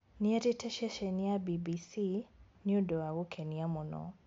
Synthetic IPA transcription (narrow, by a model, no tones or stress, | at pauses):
niɛɾitɛʃɛʃɛnijabibisiniudɔwaɣukʰɛniamunɔ̰